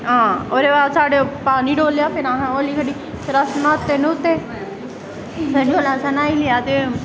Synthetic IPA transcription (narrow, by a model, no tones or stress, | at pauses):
ɦãːoːɾeːʋaːsaːɖepaːniːɖoːljaːpɪnãːɦãːoːliːkəɖiː | sɾəsnãːt̪ːeːnũʊt̪ːeː | səɖoːlãːsanaːiːlejaːt̪eː